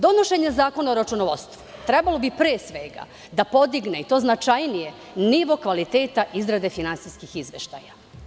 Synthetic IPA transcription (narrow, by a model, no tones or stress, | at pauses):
d̪o̞noʃe̞ɲezaːko̞naoɾat͡ʃunoʋost̪ʋu̥t̪ɾɛbalo̞bipɾeːsʋeɡa̰ | d̪apo̞d̪iɡneit̪o̞ːznat͡ʃajnije̞ | niʋo̞kʋalit̪e̞ːt̪aʔizɾad̪e̞finansijskixizʋḛʃt̪a̰ja